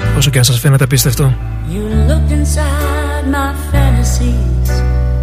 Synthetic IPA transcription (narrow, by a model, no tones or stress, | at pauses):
osoc̬enɐsɐsfenet̪ep̬ist̪eɐft̪o̞ | jɨlʊk̚tɨ̃nsa | d̚maɪfæ̃nɨsiz̥